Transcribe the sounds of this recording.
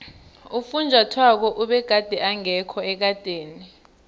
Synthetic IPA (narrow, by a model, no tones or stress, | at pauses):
ufund͡ʒʱwatʰwak̬ɔʔuɓɛɡ̥ʱad̥ʱɛʔaŋɛkʰɔɛk̬ad̥ʱeːni